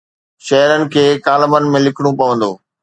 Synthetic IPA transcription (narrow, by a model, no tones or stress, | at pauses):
ʃɐɦəɾənɪ̆kʰeːkaːləbənɪ̆mẽlɪkʰɪɽ̃upɐʋə̃nd̪oː